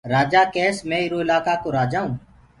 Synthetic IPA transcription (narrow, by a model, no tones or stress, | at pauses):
ɾaːd͡ʒaːkɛːsmɛ̃ːɪɾoːɪlaːkaːkoːɾaːd͡ʒaːũː